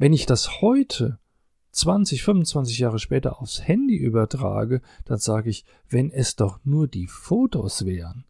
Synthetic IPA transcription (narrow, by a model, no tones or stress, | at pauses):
vɛnɪçd̥ashɔʏtʰə | t͡sv̥ant͡sɪçfʏmʊnt͡sv̥ant͡sɪçjaːʁ̞əʃpɛːtɐ̰ʔaʊfshɛndiʔyːbɐtʁ̥a̰ːɡəd̥anzaːɡəɪç | vɛnɛsd̥ɔχnuːɐdiːfoːtosv̥ɛːʁən